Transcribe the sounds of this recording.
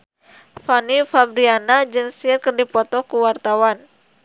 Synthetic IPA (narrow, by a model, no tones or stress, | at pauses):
fanifabɾianad͡ʒɨŋsirkərdipɔt̪ɔkuwart̪awan